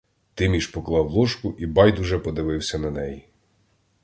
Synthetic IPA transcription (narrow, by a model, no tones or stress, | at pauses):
t̪ɪmʲiʃpɔklˠɑwlˠɔʃkʊʔibɑjd̪ʊʒɛpɔd̪ɪʋɪwsʲɐnɐnɛji